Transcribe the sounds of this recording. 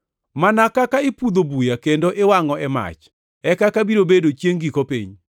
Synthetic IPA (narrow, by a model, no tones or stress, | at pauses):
manakakaɪpud̪obujakendoʔewaŋɔɛma̰t͡ʃ | ɛkakabiɾobedot͡ʃjeŋɡikopḭɲ